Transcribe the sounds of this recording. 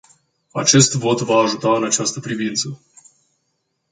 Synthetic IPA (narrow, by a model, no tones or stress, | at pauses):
a̰t͡ʃe̞st̪vo̞t̪vaːʒut̪aɨnat͡ʃast̪əpɾivint̪sə